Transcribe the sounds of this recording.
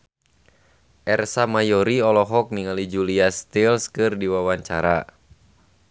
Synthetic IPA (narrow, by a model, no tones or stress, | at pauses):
ʔɛrsamajɔɾiɔlɔɦɔk̚niŋalid͡ʒuliast̪ilskɨrdiwawaɲt͡ʃa̰ɾa̰